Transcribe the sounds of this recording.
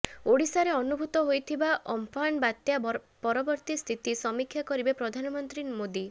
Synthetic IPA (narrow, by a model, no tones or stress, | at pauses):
oɽisaɾeɔnubʱut̪ɔɦojt̪ʰibaʔɔmpʰaɳbat̪ja | pɔɾɔbɔɾt̪ist̪ʰit̪isɔmikʰːjakɔɾibepɾɔd̪ʱanɔmɔnt̪ɾimod̪i